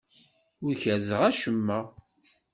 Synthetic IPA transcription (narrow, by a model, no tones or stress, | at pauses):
ʊɾçæɾzəʁæʃəmːə